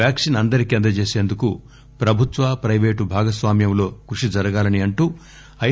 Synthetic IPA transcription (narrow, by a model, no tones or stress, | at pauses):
aːkʂinɐnd̪ɐɾikend̪ɐt͡ʃe̞ːse̞ːnd̪uku | pɾɐbʱut̪ʋaːpɾɐjʋe̞ːʈubʱaːɡɐsʋaːmjɐmlo̞ːkɾuʂid͡ʒɐɾɐɡaːlɐniɐɳʈuː | ɐ